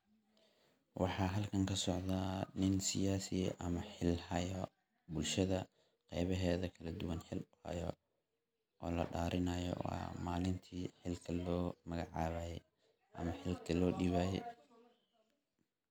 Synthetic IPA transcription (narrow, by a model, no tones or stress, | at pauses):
wʔɑħɑːɦɐlkʰɐŋkʰɐsɔʕd̪aːnɪnsɪjaːsɪɛʔɐmɐħɪlhɐjɔ | bʊlʃɐðɐ | qɛ̰jβɐɦɛːðɐkʰɐlɐd̪ʊwɐnħɪlʊhɐ̰jɔ̰ | ʔɔːlɐ̰ɖaːɾʔɪnɐjɔ̰a̰maːlɪnt̪ʰiːħɪlkʰɐlɔːmɐɣɑʕɑːβaːjɛ | ʔɐmɐħɪlkʰɐlɔːɖiβaːjɛ